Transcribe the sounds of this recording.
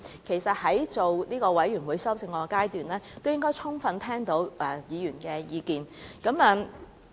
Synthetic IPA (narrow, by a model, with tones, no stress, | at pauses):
kʰe˨˩jsɐ˨t̚hɐ˨˥jt͡so˨wniː˥kɔː˧wɐ˨˥jɥyː˨˩nwuː˨˧jsɐ˥wsɪ˧ŋkɔː˧kaː˥jt̪yː˨nlɛː˥t̪o˥wjɪ˥ŋkɔː˥jt͡sʰʊ˥ŋfɐ˧nt̪ʰɛː˥ŋt̪o˨˧˥wɛ˨˧jiː˨˧jyː˨˩nkɛː˧jiː˨˧kiː˨˧nkɐ˨˥mɐː˨˧